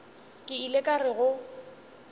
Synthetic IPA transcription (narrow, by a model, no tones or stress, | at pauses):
kʼɪilekʼarɪɣʊ